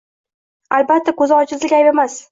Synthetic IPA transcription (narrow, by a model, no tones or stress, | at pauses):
albat̪ːakɵzɪɒt͡ʃʰɪzlɪkʲajbemas